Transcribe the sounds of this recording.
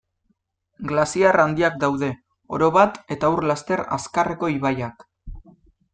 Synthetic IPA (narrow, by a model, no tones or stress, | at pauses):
ɡlasiarand̪iak̚d̪awðe̞ | o̞̰ɾo̞βat̪e̞t̪aurlast̪e̞ɾa̰skare̞ko̞iβajak